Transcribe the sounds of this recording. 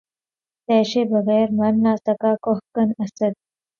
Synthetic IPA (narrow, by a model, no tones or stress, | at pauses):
t̪ɛːɕebʱəɣəjɾmanːasəkakoɦkənəsət̪̚